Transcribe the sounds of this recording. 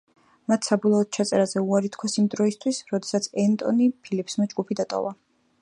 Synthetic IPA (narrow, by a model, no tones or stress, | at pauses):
mat̪ʰsabɔlˠɔɔt̪̚t͡ʃʰat̪sʼɛɾazɛuaɾit̪ʰkʰwasimd̪ɾɔist̪ʰwisɾɔd̪ɛsat̪sʰɛnt̪ʼɔnipʰilipʰsmɔd͡ʒɡupʰid̪at̪ʼɔ̰va